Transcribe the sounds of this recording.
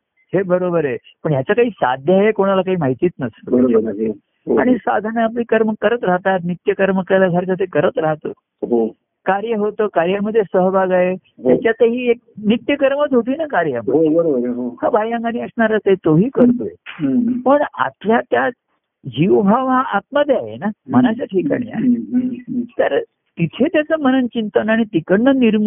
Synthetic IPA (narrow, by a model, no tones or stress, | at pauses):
hebəɾobəɾe | pəɳjat͡sakaɦiːsa̰d̪ʱjaɦekoɽ̃alakaɦiːmaɦit̪iːt̪nəst̪əəɾ | ɦoaɽ̃isa̰d̪ʱanaap̬liːkəɾməkəɾət̪ɾaɦt̪at̪̬nit̪jəkəɾməklaɡʱaɾt͡ɕat̪ekəɾət̪ɾaɦt̪o̰ː | ɦo | kaɾjəɦot̪okaɾjaməd̪ʱːjesəɦbʱaɡae | jjat͡ɕjat̪eɦiːek̚nit̪jəkəɾmət͡s̪ɦot̪̬iːnakaɾjaməɦobəɾobəɾɦohabʱajãŋɡaniəsɳaɾat͡saet̪oɦiːkəɾt̪o̰ | pəɳa̰t̪ʰljat̪jat͡s | d͡ʑiʋbʱaʋɦãʔat̪məd̪ʱːeaɦḛnaməñat͡ɕaʈʰiːka̰ɽ̃ḭːa̰ɦe | t̪əɾ | t̪it̪ʰet̪jat͡səːmənənt͡ɕint̪ənaɽ̃it̪ikəɳːəniɾm